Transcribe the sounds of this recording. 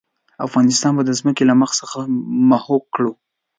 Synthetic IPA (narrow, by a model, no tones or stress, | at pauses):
afɣɑnɪst̪ɑnbad̪əzməkelaməxsəxamahokːɽu